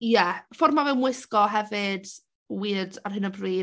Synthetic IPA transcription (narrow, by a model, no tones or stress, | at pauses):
jɛfɔrmavɛwmwɪskɔɦɛvɨd̥ | wiːdarɦɪnəbriː